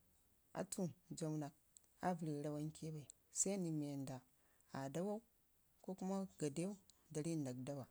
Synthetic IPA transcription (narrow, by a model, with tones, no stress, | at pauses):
a̰˨tʰu˦nd͡ʒo˨wna˨k̚ | a˦vi˨ɾi˨ɾa˦wa˦ŋ˦kʲʰe˦ba˨i˨ | sa˦ni˨mi˨e˨nda˨ | a˨da˦wa˦u˦ | ko˦ku˦ma˦ɡa˨de˦wu˦da˨ɾi˦˨na˨k̚da˦wa˨